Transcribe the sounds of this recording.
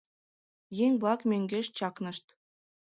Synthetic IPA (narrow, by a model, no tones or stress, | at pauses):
jeŋʲblˠɑkmʲeŋʲɡʲɘ̆ʃt͡ɕɑknɤ̆ʂt̪